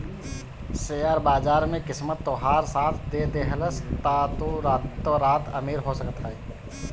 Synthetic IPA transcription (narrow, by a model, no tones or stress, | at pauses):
sejaːɾbaːzaːɾmẽkɪsmət̪ːoɦaːɾsaːt̪ʰd̪ed̪eɦələst̪aːt̪uɾaːt̪ːoɾaːt̪əmiːɾɦosəkət̪aːɛː